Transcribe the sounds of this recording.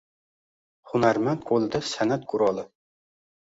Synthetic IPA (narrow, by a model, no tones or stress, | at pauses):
χʊnaɾmant̪̚qʰolˠd̪ɪsanat̪̚kʰʊɾɒlˠɪ